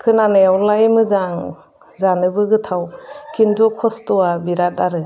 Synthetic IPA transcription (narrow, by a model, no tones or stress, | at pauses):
kʰɯnaneawlajmɯzaŋ | zanɯbɯɡɯtʰawkʰindukʰɔstɔwabiɾat̚aɾɯ